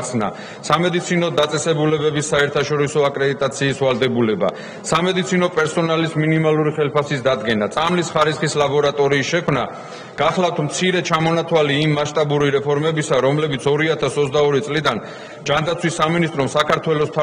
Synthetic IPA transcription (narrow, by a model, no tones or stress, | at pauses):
sna̰ | samɛd̪it̪sʰinɔd̪at̪sʼɛsɛbulɛbɛbisːaɛɾt̪ʰaʃɔɾisɔakʼɾɛd̪it̪ʼat̪sʰiːsvald̪ɛbulɛba̰ | samɛd̪it̪sʰinɔpʼɛɾsɔnalisminimaluɾiχɛlpʰasisd̪ad̪ɡɛnat̪sʼamlisχaɾisχislabɔɾat̪ʼɔɾiːsʃɛkʰmna | ɡ̥aχlˠavft̪ʰmt̪sʰiɾɛt͡ʃʰamɔnat̪ʰwaliːmːaʃt̪ʼabuɾiɾɛpʰɔɾmɛbisaɾɔmlɛbit̪sʰɔɾiat̪ʰasɔt̪sʰd̪aɔɾit̪sʼlid̪an | d͡ʒand̪at̪sʰwisːaminist̪ʼɾɔmsakʰaɾt̪ʰwɛlɔst̪ʰa